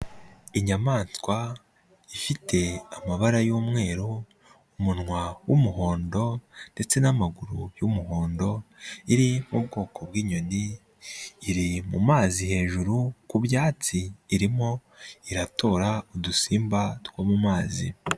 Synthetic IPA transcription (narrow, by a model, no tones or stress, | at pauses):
iɲamaːnskwa | ifitʰe̞amaβaɾajuːmŋe̞ːɾo | umunŋwawumuɦo̞ːndo̞nde̞t͡se̞namaɡuɾujumuɦo̞ːndo̞iɾimub̚ɡo̞ːkʰo̞bɡiːɲo̞niː | ɾimṵmaːzihe̞ːʒuɾukubjaːt͡siːɾimo̞ | iɾato̞ːɾaudusiːmbatwamumaːzḭ